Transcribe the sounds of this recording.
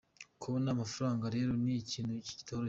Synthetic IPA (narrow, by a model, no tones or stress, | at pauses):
kuβonaːmafuɾaːŋɡaɾe̞ːɾo̞niciːnuci̥ci̥toːɾo